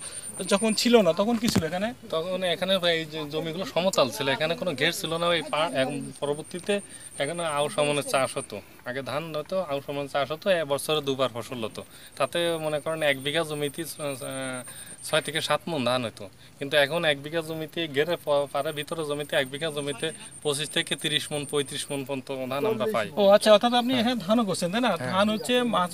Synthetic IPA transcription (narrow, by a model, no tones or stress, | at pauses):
d͡ʑɔkʰont͡ɕʰilonat̪ɔkʰonk̬it͡ɕʰiloekʰanet̪ɔkʰonekʰaneejd͡ʑomiɡuloʃɔmot̪alt͡ɕʰileekʰanekonoɡʱeɾt͡ɕʰilonaejpapɔɾoboɾt̪it̪e | ɛkʰoneaoʃɔmonet͡ɕaʃɦɔt̪o | aɡed̪ʱanɦɔjt̪oawʃɔmonet͡ɕaʃɦɔt̪oɛbɔɾsʰoɾed̪ubaɾpʰɔʃolɦɔt̪o | t̪at̪emonekɔɾenɛkbiɡad͡ʑomit̪i | t͡ɕʰɔet̪ʰekeʃat̪mond̪ʱanɦojt̪o | kint̪uɛkʰonɛk̚biɡʱad͡ʑomit̪iɡeɾepɔpaɾebʱit̪oɾod͡ʑomit̪eɛk̚biɡʱad͡ʑomit̪epot͡ɕiʃt̪ʰeket̪iɾiʃmonpojt̪ɾiʃmonpʰont̪od̪ʱanamɾapajoatːɕʰaɔt̪ʰat̪ap̬nieɦed̪ʱanokoɾt͡ɕʰent̪ajnad̪anɦotːʰema